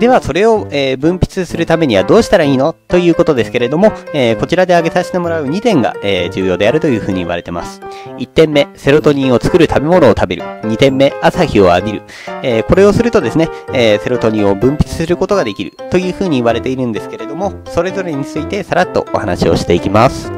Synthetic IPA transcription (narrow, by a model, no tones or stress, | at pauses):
d̪e̞βaso̞ɾe̞o̞eːbɯ̟̃mpʲi̥t͡sɨsɨɾɯ̟t̪ame̞ɲ̟iβad̪o̞ːɕi̥t̪aɾaiːno̞t̪o̞jɯ̟ːko̞t̪o̞d̪e̞sɨ̥ke̞ɾe̞d̪o̞mo̞eːko̞t͡ɕiɾad̪e̞aɡe̞saɕi̥t̪e̞mo̞ɾaɯ̟ɲ̟it̪ẽ̞ŋɡa̰eːd͡ʑɨːjo̞ːd̪e̞aɾɯ̟t̪o̞jɯ̟ːɸɯ̟ːɲ̟iːβa̰ɾe̞t̪e̞ma̰sɨ̥it̪ːẽ̞mːe̞se̞ɾo̞t̪o̞ɲ̟ĩːo̞t͡sɨ̥kɯ̟ɾɯ̟t̪ʰabe̞mo̞no̞ːt̪abe̞ɾɯ̟̰ɲ̟it̪ẽ̞mːe̞asaçio̞aɡʲiɾɯ̟̰ | eːko̞ɾe̞o̞sɨɾɯ̟t̪o̞d̪e̞sɨne̞se̞ɾo̞t̪o̞ɲ̟ĩɰo̞bɯ̟̃mpʲi̥t͡sɨ̥sɨɾɯ̟ko̞t̪o̞ɡad̪e̞kʲiɾɯ̟̰t̪o̞jɯ̟ːɸɯ̟ːɲ̟iːβaɾe̞t̪e̞iɾɯ̟̃nd̪e̞sɨ̥ke̞ɾe̞d̪o̞mo̞ | so̞ɾe̞zo̞ɾe̞ɲ̟it͡sɨit̪e̞saɾat̪ːo̞̰ʔo̰hana̰ɕio̞̰ɕi̥t̪e̞ikʲimasɨ̥